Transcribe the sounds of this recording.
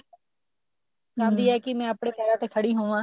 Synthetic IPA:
d͡ʒãːnd̪iːɛːkɪmɛ̃ːəpɽ̃eːpɛːɾaːt̪eːkʰəɽiːɦõːʋãː

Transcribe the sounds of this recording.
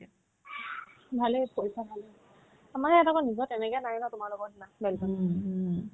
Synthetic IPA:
bʱalepoisabʱale | amanɛɛtakɔnizɔtɛnɛkɛnajinɔtʊmaɹlɔɡɔɦinabɛlkɔn

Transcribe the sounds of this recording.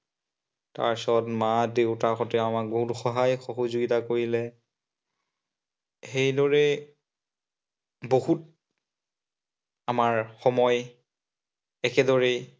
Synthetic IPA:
ta̰ɹsɔtmadewtaxɔtɛamak̚boɦutxɔɦajxoɦɔzuɡitakoɹilɛ | xejdɔɹɛ | boɦut̚ | amaɹxɔmɔj | ɛkɛdɔɹɛ

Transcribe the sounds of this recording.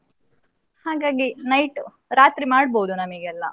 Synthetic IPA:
haːɡaːɡinɐjʈ | ɾaːt̪ɾimaːɽbowd̪unɐmiɡeɛlːɐ̰

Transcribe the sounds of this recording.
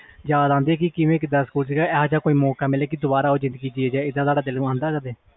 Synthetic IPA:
d͡ʒaːd̪ãːnd̪eːkɪkɪʋẽːkɪd̪aːskuːlsɪːɡaːɛːɦãːt͡ʃãːkoːiːmɔːkaːmɪleːkɪd̪ʊbaːɾaːɦoːd͡ʒɪ̃nd̪ɡiːd͡ʒiːɛːd͡ʒaːɪd̪ãːt̪aːɽaːd̪ɪlãːnd̪aːkəɾd̪eː

